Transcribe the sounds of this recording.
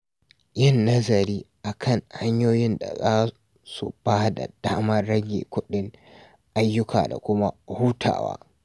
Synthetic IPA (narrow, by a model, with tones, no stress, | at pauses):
jɪ˦˨nːɐ˦zɐ˨ɾiː˦ʔa˨kʰɐ˦˨ŋha˦ɲjoː˦jɪ˦nda̰˨zaː˦ | su˨b̥aː˦da̰˨d̥aː˦mɐ˦ɽɐ˦ɡʲḛː˨kʷʊ˦ɗɪ˦ŋ | ʔa˦jːʊ˦kʰa̰ː˨da̰˨kʷʊ˦ma˦huː˦tʰa̰ː˨wa̰ː˦